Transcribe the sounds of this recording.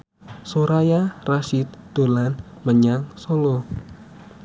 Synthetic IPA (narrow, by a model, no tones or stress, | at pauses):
soɾajaraʃit̪d̪olanməɲaŋsolo